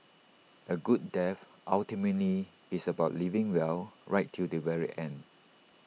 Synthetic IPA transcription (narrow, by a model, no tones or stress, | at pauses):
ʔəɡud̚dɛf | ʔaltimətliː | səbaʊtlivɪ̃ŋwɛlɹaɪtʰːudəvɛɹḭʔɛ̃nd